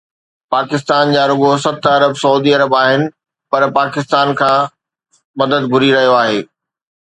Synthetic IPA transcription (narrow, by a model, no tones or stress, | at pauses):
paːkɪs̬t̪aːnd͡ʑaːɾʊɡosɐt̪ɐɾəbsɐuːd̪iɐɾəbaːɦɪnɪ̆ | pɐɾpaːkɪst̪aːnkʰãː | mɐd̪əd̪ɡʱʊɾiɾɐɦijoaːɦeː